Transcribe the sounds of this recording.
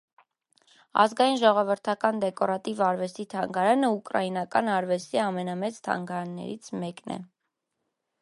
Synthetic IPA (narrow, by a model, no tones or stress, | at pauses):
ɑ̰zɡɑjinʒɔʁɔvəɾt̪ʰɑkɑnd̪ɛkɔɾɑt̪ivɑɾvɛst̪it̪ʰɑŋɡɑɾɑnəukɾɑ̰jinɑkɑnɑɾvɛst̪iɑmɛnɑmɛt͡st̪ʰɑ̰ŋɡɑɾɑnːɛ̰ɾit͡sʰmɛknɛ̰